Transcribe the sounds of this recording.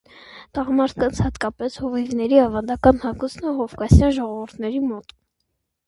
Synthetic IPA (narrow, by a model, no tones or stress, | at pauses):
t̪ɑʁɑmɑɾt̪̚ʰkɑnt͡sʰhɑt̪kɑpɛshɔvivnɛɾiɑvɑnd̪ɑkɑnhɑkusʰnəɦɔvkɑsjɑnʒɔʁɔvuɾt̪ʰnɛɾimɔt̪